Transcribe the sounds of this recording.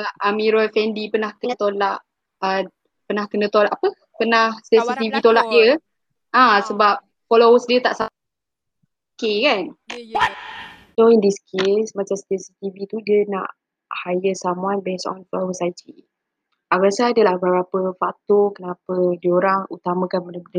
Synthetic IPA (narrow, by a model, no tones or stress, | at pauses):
ʔamiɾɔlfɛndipənahkət̪olaʔ | ə | pənahkənət̪olaʔapə | pənahsɛsit̪ivit̪olaʔdə | ʔãsəbap̚ | folowəsdiət̪aʔsa | okekan | soindiskʰesmat͡ʃamsp̪ɛsit̪ivit̪udiəna̰ʔ | hajəsamuanbesɔ̰nfɔlowəsajtʰi | ʔaɡasaːdəlahbəɾapəfat̪okənapədioɾaŋut̪amə̃kanmənədə